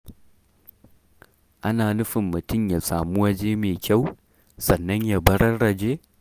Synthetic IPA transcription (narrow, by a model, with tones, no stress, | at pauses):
ʔa˦naː˨nʊ˦ɸɪ˨mːʊ˨tʊ˦mjaː˨saː˨mu˦wɐ˦d͡ʒeː˦meː˨kʲa˦˨w | sɐ˨nːɐ˦ɲja˨bɐ˦ɾɐ˦rɽɐ˨d͡ʒeː˦